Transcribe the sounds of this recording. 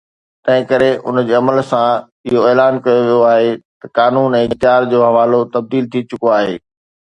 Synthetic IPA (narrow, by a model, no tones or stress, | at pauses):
t̪ɐ̃ɦɪ̃kɐɾeʔʊ̰nd͡ʑeːɐməlsã | ɪɦoeːlaːnkɐjoʋijoaːɦet̪ɐkaːnuːnɛ̃ːt̪jaːɾd͡ʑoːɦɐʋaːlot̪ɐb̚d̪iːlt̪ʰit͡ɕʊkoaːɦḛː